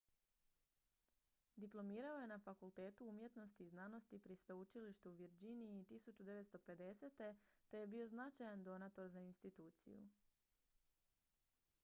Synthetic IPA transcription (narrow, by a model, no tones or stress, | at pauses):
d̪iplˠo̞miːɾao̞je̞nafakulˠt̪e̞ːt̪uumje̞t̪no̞st̪iːznaːno̞st̪ipɾisʋe̞ut͡ʃiliʃt̪uuʋjeɾd͡ʑiniːt̪isut͡ʃud̪e̞ʋet̪st̪o̞pe̞d̪e̞se̞t̪e̞t̪e̞je̞bio̞znat͡ʃajand̪o̞nat̪o̞ɾzainst̪it̪uːt̪sḭjṵ